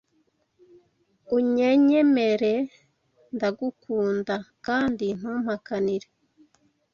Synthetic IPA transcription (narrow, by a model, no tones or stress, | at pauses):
uɲe̞ɲe̞me̞ɾe | ndaɡukuːndakaːndin̥uːm̥hakaniɾe